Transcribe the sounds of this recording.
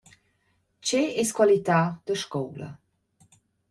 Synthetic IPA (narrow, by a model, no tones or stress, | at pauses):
t͡ʃeɛskwalit̪aːd̪̥əʃkɔwlə̰